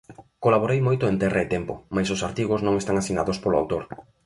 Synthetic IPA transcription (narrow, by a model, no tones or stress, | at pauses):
kolaβ̞oɾejmojt̪ʊent̪ɛraɪt̪ɛmpʊ̰majsʊsaɾt̪iɣʊznõŋest̪aŋasinaðʊspolʊa̰wt̪oɾ